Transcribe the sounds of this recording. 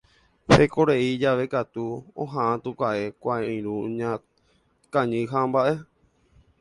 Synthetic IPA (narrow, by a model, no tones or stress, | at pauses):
hekoɾeid͡ʒaʋe̞kat̪uõ̰ɦãʔãt̪ukʷaʔe̞kʷaẽɾũɲã | kãɲɨ̃ɦãmbaʔe̞